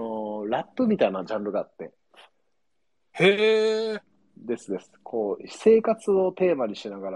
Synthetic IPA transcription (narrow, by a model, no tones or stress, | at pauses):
oɾat̪ːomʲit̪ainad͡ʑãnbɯ̟ɡaːt̪ːe̞̰ | he̞ | d̪e̞sɨd̪e̞sɨ̥kʰo̞ːse̞ːkat͡sɨo̞t̪e̞ːmaɲ̟iɕinaɡaɾa